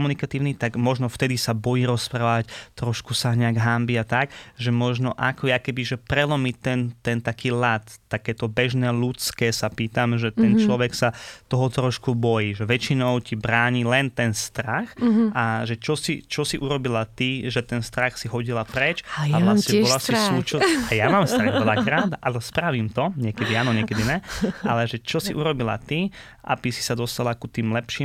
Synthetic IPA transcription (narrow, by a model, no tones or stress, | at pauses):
ɔmunikat̪iːʊnit̪aɡmɔʒnɔft̪ɛd̪isabɔjiːɾɔspɾaːʋact̪ɾɔʃkusaɲɛaɡɦambiat̪akɡʒɛmɔʒnɔʔa̰kɔjakɛbiʒɛpɾɛlɔmit̪ɛnt̪ɛnt̪akiːlat̪ːakɛːt̪ɔbɛʒnɛːlut͡skɛːsapiːt̪amʒɛt̪ɛnt͡ʃlɔʋɛksat̪ɔɦɔt̪ɾɔʃkubɔjiːʒɛʋɛt͡ʃinɔʊcibɾaːɲilɛnt̪ɛnst̪ɾaxʔaʒɛt͡ʃɔsḭt͡ʃɔsiʔuɾɔbilat̪iʒɛt̪ɛnst̪ɾaxsiɦɔɟilapɾɛt͡ʃaʋlasɲɲɛbɔlasisut͡ʃɔajamaːmst̪ɾaɣɛlakɾaːt̪a̰lɛspɾaʋimt̪ɔɲɛkɛd̪iaːnɔɲɛkɛd̪iɲɛʔalɛʒɛt͡ʃɔsiʔuɾɔbila̰t̪i | ʔa̰bisi̥sad̪ɔst̪alakut̪iːmlɛpʃiːm